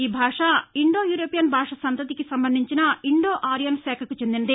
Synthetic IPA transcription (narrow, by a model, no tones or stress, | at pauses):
iːbʱaːʂɐiɳɖo̞ːjuːɾoːpijɐnbʱaːʂɐsɐnt̪ɐt̪ikisɐmbɐnd̪ʱiɲt͡ʃinɐiɳɖoːʔaːɾijɐnsɛːkʰɐkut͡ʃe̞nd̪inɐd̪i